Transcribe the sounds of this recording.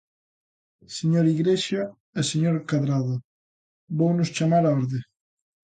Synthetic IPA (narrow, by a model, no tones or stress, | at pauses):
seɲoɾiɣɾeʃa | eseɲoɾkaðɾaðo | bownʊst͡ʃamaɾaoɾðe